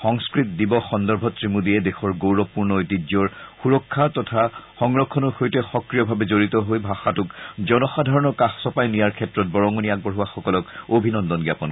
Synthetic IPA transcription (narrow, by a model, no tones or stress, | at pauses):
xɔŋskɹitdibɔxɔndɔɹbʱɔtɹimudiɛdexɔɹɡowɹɔpuɹnɔojtid͡ʒɔɹxuɹɔkʰːatɔtʰaxɔŋɹɔkʰːɔnɔxojtɛxɔkɹijɔbʱabɛzoɹitɔɦojbʱaxatʊkzɔnɔxadʱaɹɔnɔkaxsɔpajnijaɹkʰɛtɹɔt̚bɔɹɔŋɔniaɡ̚bɔɹɦuwaxɔkɔlɔkobʱinɔndɔnɡjapɔn